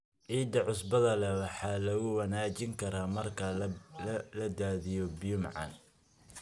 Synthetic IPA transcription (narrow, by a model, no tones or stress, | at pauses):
ʔiːd̪ɐʕʊsbɐðɐlɛwɑħɑːlɐɣʊwɐnaːt͡ʃɪŋkʰɐɾaːmɐrkʰɐllɐd̪aːðɪjɔbijʊmʕɑ̰n